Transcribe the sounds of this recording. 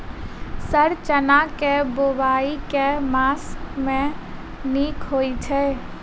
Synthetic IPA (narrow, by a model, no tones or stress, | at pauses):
səɾt͡ʃənakeboʋaːikemaːsmẽ | niːkɦoit͡ʃʰɛ